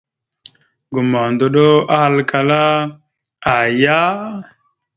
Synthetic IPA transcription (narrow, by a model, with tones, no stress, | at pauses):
ɡu˨ma˨ndo˨ɗo˦a˦ha˨lkʰa˨la˦ | a˨ja˦